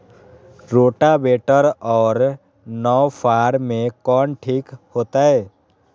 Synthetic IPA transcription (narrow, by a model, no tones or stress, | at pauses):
ɾoːʈabeʈəɾɔːɾ | nɔwpʰaːɾmẽkɔːnʈʰiːkhoːt̪aɦɛː